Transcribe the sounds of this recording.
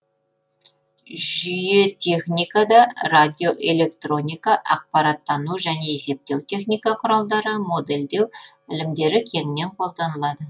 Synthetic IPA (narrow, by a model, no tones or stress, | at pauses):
ʒʏje̞t̪ʲʰe̞χnʲijkɑd̪ɑrad̪ʲijo̞ʔe̞le̞kt̪ro̞nʲijkɑʔɑ̰q̚pɑɾɑt̪ːɑnuʒæne̞ese̞p̚t̪e̞wt̪ʰe̞χnijkɑqʰʊɾɑlˠd̪ɑɾəmo̞d̪e̞ld̪e̞wɪlɪmd̪e̞ɾɪkʲʰe̞ŋɪne̞ɴqʰo̞lˠd̪ɑnəlˠɑd̪ə